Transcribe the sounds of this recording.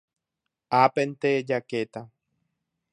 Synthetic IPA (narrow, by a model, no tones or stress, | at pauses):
apent̪ed͡ʒaket̪a